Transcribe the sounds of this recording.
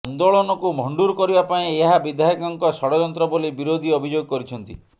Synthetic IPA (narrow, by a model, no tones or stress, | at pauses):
ɔnd̪oɭɔnɔkumʱɔɳɖuɾkɔɾibapaĩeɦabid̪ʱaɦikɔŋkɔsɔɽɔd͡ʒɔnt̪ɾɔbolibiɾod̪ʱiɔbʱid͡ʒoɡɔkɔɾit͡ʃʰɔnt̪ḭ